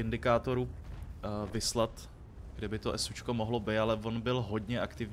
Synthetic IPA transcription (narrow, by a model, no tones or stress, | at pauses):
ɪndɪkaːt̪o̞ɾu | vɪslat̪ | ɡ̥dɪbɪt̪o̞ʔɛsut͡ʃko̞moɦlo̞bɪt̪alɛvo̞nbɪlɦo̞dɲɛʔakt̪ɪvɲ